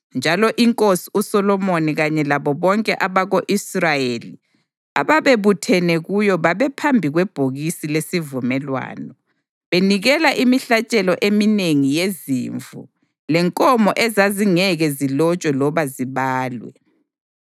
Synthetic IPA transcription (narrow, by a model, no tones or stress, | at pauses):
nd͡ʒʱalɔʔiŋkʼosi̥usɔlɔmoniɣaɲɛlaβɔβɔŋkʼɛʔaβaɣoʔisrajeːli | a̰βaβeβutʰɛnɛɣujɔβaβɛpʰambʱiɣwɛb̥ʱoɣisilesivumɛlwa̰ːnɔ | βeniɣɛlaʔimiɬat͡ʃʼɛlɔʔemineŋijezḭːɱvṵ | lɛŋkʼɔmɔʔɛzaziŋɛɣɛzilɔt͡ʃʼwɛlɔβaziβaːlwɛ̰